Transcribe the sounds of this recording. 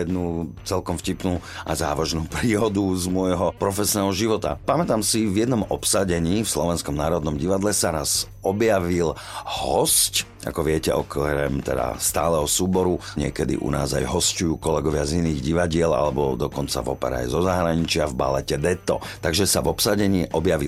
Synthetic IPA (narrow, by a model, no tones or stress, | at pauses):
jɛd̪nuːt͡sɛlkɔmfcipnuːa̰zaːʋaʒnuːpɾiːɦɔd̪uzmʊɔjɦɔpɾɔfɛsnɛːɦɔʒiʋɔt̪a̰pamɛt̪aːmsivjɛd̪nɔmɔpsaɟɛɲiːfslɔʋɛnskɔmnaːɾɔd̪nɔmɟiʋad̪lɛsaɾaz | ɔbjaʋil | hɔsc | a̰kɔʋɪɛcɛʔɔkɾɛ̰mt̪ɛ̰d̪a̰st̪aːlɛɦɔsuːbɔɾuɲɪɛ̰kɛd̪ḭʔṵna̰ːza̰jɦɔscujuːkɔlɛɡɔʋɪaziniːɣɟiʋaɟɪɛla̰lɛbɔ̰d̪ɔkɔnt͡sa̰ʋɔpɛ̰ɾa̰ːjzɔzaɦɾaɲit͡ʃɪavba̰lɛcɛd̪ɛt̪ɔ̰t̪aɡʒɛsavɔpsaɟɛɲiːʔɔbjaʋḭl